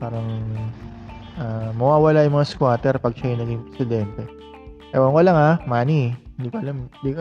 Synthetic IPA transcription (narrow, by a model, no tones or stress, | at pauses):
paːɾɐŋ | ʔamɐwaːwɐlajʊmɐŋaskwaːt̪ɛɾpɐɡ̚ʃajʊnɐɡɪŋpɾɛsɪd̪ɛnt̪ɛ | ʔɛwɐŋkolɐŋamaːnihɪnd̪iːkoʔɐlamnd̪ik